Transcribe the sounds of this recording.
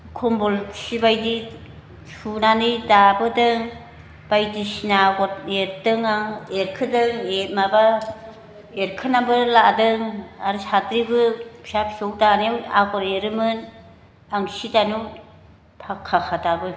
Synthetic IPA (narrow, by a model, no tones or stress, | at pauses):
kʰɔmbɔlsibajdi | sunanɯjdabɯdɯŋ | b̥ajdisinaɡɔɾeɾdɯŋaŋeɾkʰɯdɯŋemaba | eɾkʰɯnambɯɾladɯŋaɾsadɾibɯpʰsapsowdanewaɡɔɾeɾɯmɯn | aŋsidanu | pʰakʰːaxʰadabɯ